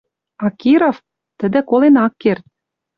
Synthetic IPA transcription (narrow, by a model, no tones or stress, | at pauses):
ɑkiɾof | t̪ə̆d̪ɘ̆kolenɑkːert̪̚